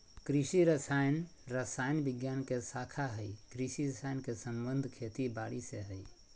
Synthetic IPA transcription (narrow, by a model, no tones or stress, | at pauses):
kɾisiɾəsaːjnɾəsaːjnbɪɡjaːnkesaːkʰaɦəikɾisiɾəsaːjnkesə̃mbənd̪ʱkʰet̪ibaːɽiseɦəi